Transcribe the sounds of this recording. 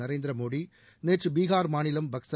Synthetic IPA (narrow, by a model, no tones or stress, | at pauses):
ɐɾeːnd̪ɪɾɐmoːɽi | neːʈrɯbiːɣaːɾmaːnɪlɐmbɐksɐ